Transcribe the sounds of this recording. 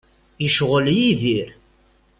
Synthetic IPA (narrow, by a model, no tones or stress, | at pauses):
jəʃʁəljiðiɾ